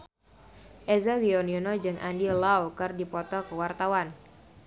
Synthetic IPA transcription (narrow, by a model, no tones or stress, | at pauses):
ʔɛzawiɔnjunɔd͡ʒɨŋʔa̰ndilawkɨrdipɔt̪ɔkəwart̪awan